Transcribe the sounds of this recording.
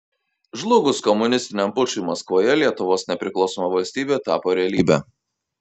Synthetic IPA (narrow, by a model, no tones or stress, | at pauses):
ʒlˠʊɡʊskɔmʊnʲɪsʲt̪ʲɪnʲɛmpʊt͡ʃʲʊmɐskʋoːjɛlʲiɛt̪ʊʋoːsnʲɛpʲɾʲɪklˠɒʊsɔːmɐʋɐlʲsʲt̪ʲiːbʲeːt̪ɑːpoːɾʲɛɐlʲiːbʲæ̰ː